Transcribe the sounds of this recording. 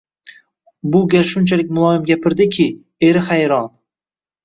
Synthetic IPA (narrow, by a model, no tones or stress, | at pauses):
bʊɡʲalʃʊnt͡ʃʰalɪkʲmʊlˠɒɪmɡʲapʰɪɾd̪ɪkʲʰɪ | e̞ɾɪhajɾɒn